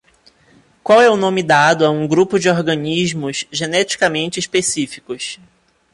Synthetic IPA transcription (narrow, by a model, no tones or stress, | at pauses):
kwawɛʊnõmɪd̪ad̪ʊaũɡɾupʊd͡ʒɪoɾɡɐ̃niʒmʊz̥ʒenɛt͡ʃi̥kɐmẽnt͡ʃɪːʃpesifi̥kʊs